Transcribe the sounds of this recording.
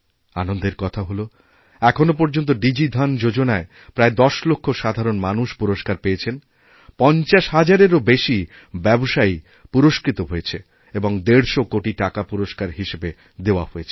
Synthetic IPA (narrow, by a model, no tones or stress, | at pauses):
anond̪eɾkɔt̪ʰaɦolo | ɛkʰonop̬oɾd͡ʑont̪̬oɖid͡ʑid̪ʱand͡ʑod͡ʑonae | pɾaed̪ɔʃlokʰːoʃad̪ʱaɾonmanuʃpuɾoʃkaɾpeet͡ɕʰen | pɔnt͡ɕaʃɦad͡ʑaɾeɾobeʃi | bɛboʃai | puɾoʃkɾit̪oɦojet͡ɕʰe | eboŋd̪eɾʃokoʈiʈakapuɾoʃkaɾɦiʃebe | d̪eoahoet͡ɕʰe̥